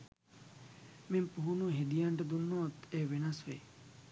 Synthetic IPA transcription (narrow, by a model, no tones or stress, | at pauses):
mempuɦunuɦed̪ijaɳɖəd̪unːɔːt̪eːʋenasʋe